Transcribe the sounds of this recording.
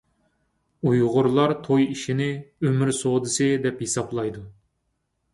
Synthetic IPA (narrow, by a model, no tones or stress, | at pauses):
ujʁʊɾlˠɑɾt̪ʰojiʃinɪømyɾsod̪ɨsɨd̪ɛphesɑblˠɑjd̪u